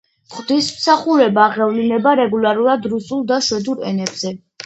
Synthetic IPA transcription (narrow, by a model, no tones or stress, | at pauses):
qʼd̪ismsaχuɾɛbaːʁɛvlinɛbaɾɛɡulˠaɾuɾad̪ɾusulˠd̪aʃwɛd̪uɾɛ̰nɛbz̥ɛ